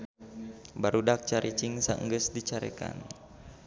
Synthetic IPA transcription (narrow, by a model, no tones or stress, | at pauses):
baɾudak̚t͡ʃaɾʔit͡ʃiŋsa̰ʔŋɡəsdit͡ʃaɾɛka̰n